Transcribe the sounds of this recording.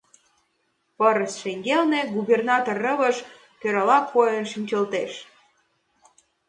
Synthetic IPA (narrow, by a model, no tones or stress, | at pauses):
pəɾəsʃeŋɡelneɡubernɑt̪orːə̆βəʃ | køɾɑlɑkʰːojənʃinʲt͡ɕəlt̪eʃ